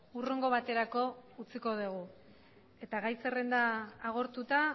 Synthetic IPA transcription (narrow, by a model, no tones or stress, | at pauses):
uroŋɡo̞βat̪e̞ɾako̞ut͡siko̞ð̞uɣ̞u | e̞t̪aɣajse̞re̞nd̪aːɣ̞o̞ɾt̪ut̪a